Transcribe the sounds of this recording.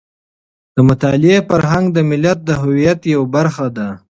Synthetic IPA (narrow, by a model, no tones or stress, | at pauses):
d̪̥əmʊt̪ɑlɪefaɾɦaŋɡd̪əmɪlat̪̚d̪əɦʊwijat̪jawabaɾxad̪a